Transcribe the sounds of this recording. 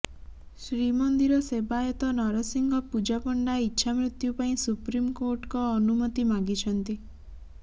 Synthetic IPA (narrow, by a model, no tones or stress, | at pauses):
sɾimɔnd̪iɾɔsebajɔt̪ɔnɔɾɔsiŋɡɔpud͡ʒapɔɳɖaitːʃʰamɾit̪jupaĩsupɾimkoɾʈkɔːnumɔt̪imaɡit͡ʃʰɔnt̪i